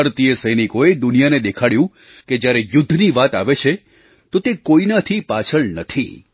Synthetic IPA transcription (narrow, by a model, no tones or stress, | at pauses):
əɾt̪ijəsəjnikoed̪ʊnijaned̪ekʰaɽjũ | ked͡ʒjaɾejʊd̪ʱːniʋat̪aʋet͡ʃʰe | t̪ot̪ekoinat̪ʰipat͡ʃʰəɭnət̪ʰḭ